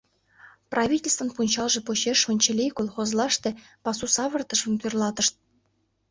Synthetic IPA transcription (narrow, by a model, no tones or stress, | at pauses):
prʔɑvʲitʲelʲst̪və̆npunʲt͡ɕɑlˠʐɤ̆poɕeʂmɤ̆nʲt͡ɕĕlʲejkolˠχozlˠɑʂt̪e | pɑsusɑβɤ̆rt̪ɤ̆ʂə̆nt̪yrlˠɑt̪ɤ̆ʃt̪̚